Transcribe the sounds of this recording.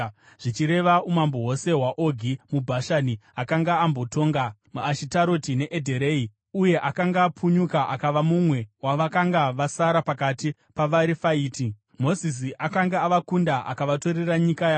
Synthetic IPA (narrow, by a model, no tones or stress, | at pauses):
ʐ̥it͡ʃiɾe̞ʋaumamboɦo̞se̞ɦwaʔoɡʱimubʱaʃaniakaŋɡaambo̞to̞ːŋɡamuaʃitaɾo̞tine̞ʔedʱeɾei | uje̞ʔakaŋɡaːpʰuɲukaʔakaʋamumwe̞waʋakaŋɡaʋasaɾapakati | paʋaɾifaiːti | mo̞zis̬iʔakaŋɡaaʋakundaʔa̰kaʋato̞ɾeraɲikajaː